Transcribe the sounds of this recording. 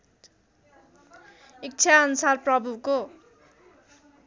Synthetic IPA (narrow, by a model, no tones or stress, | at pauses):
ik̚t͡sʰaʌnusarprʌbʱuko